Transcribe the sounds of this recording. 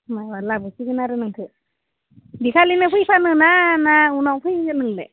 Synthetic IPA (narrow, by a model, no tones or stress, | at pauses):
majwalabɯsiɡɯnaɾɯnɯŋkʰɯ | bikʰalinɯpʰɯjpʰanɯnanaunɔwpʰɯjnɯŋle